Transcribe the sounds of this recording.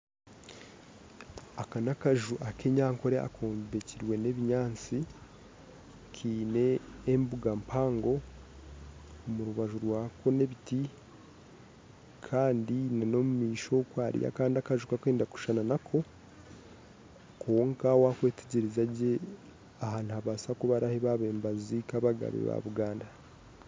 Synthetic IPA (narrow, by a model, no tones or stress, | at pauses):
akanakaʒuʔake̞ɲaːŋko̞ɾea̰kʰoːmbeciɾwe̞ne̞βiɲaːnt͡si | kʰiːne̞ːmbuɡampʰaːŋɡo̞ | muɾuβaʒuɾwaːkʰo̞ne̞βiti | kʰaːndinano̞mumiːʃo̞kwaːɾḭja̰kaːndiakaʒukakweːndaku̥ʃananakʰo̞ | kʰoːŋkawakwe̞teɟiɾizaɟe̞ | aɦaːn̥uhaβaːsakuβaɾaheβaβeːmbazikaβaɡa̰βḛβa̰βuɡaːnda